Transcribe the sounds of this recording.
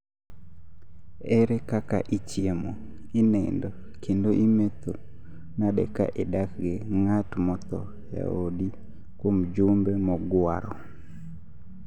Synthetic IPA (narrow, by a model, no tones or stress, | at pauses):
ɛɾekaka̰ʔit͡ʃjemo | inɛndo | kʰendoʔimet̪o | nadɛ̰ka̰ʔedakɡeŋatmɔt̪ɔ̰ | ja̰odi | kwomd͡ʒumbemɔɡwaɾɔ